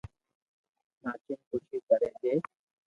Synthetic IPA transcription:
naːt͡ʃɪnkʊt͡ʃʰiːkəɾẽːd͡ʒeː

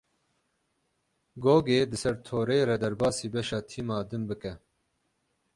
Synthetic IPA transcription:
ɡoːɡeːd̪ɨsɛɾt̪ʰoːɾeɾɛd̪ɛɾbɑːsiːbɛʃɑːt̪ʰiːmɑːd̪ɨnbɨkɛ

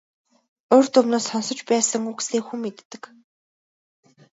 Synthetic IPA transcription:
oːrt̪ʊmnoːsɔnsɞ̆t͡ɕpæːsə̆ŋuːksɮeːkxumːet̪ːɘ̆k

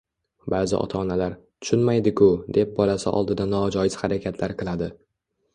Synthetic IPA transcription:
baːzɪ̰ʔɒ̰t̪ʰaːnalaɾt̪ʰʊ̥ʃʊnmajd̪ɪkʰʊd̪e̞p̚bɒlasɪ̰ʔɒ̰lˠd̪ɪd̪anɒd͡ʒɒjɪz̥haɾakʲʰat̪ʰlaɾqʰɨlˠad̪ɪ

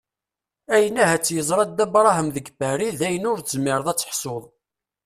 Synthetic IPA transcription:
æjənæɦæt͡sːjəzˤɾˤɑd̪æbɾˤɑɦəmðəɡbæɾiðæjənʊɾzmɪɾˤðˤæt͡sːə̥ħsoðˤ

